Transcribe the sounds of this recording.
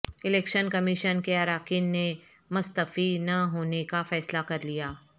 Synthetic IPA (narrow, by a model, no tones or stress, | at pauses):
ɪlɛːkʃənkɐmɪʃənkeɐɾaːkiːnːe | mʊst̪əfinɐɦoːnekafɛːslakɐɾlijaː